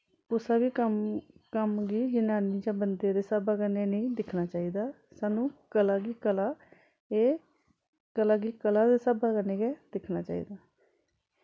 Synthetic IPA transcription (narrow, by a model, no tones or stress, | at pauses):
ʊsaːbiːkəmkəmɡiːd͡ʒɪnaːniːd͡ʒãːbənd̪eːd̪eːsaːbaːkəneːnĩːd̪ɪkʰnaːt͡ʃaːiːd̪aː | saːnũːkəlaːɡiːkəlaː | eː | kəlaːɡiːkəlaːd̪eːsaːbaːkəneːɡeːd̪̥ɪkʰnaːt͡ʃaːḭːd̪aː